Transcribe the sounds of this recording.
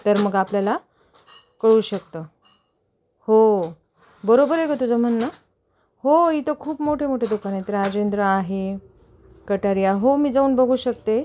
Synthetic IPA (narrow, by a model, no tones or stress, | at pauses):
t̪əɾməɡapljala | kəɭuːɕək̚t̪ə | ho | bəɾobəɾekət̪ud͡zʱəm̤əɳnə | hoit̪okʰuːpmoʈʰemoʈʰed̪ukanet̪ɾad͡ʑend̪ɾəaɦe | kəʈaɾijaɦomiːd͡zauːnbʱəɡʱuːɕəkt̪e